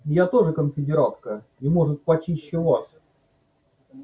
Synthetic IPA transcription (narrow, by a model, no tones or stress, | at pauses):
jat̪oʐɨkənfʲɪdʲɪɾat̪kə | imoʐɨt̪̚pɐt͡ɕiɕːɪlˠasʲ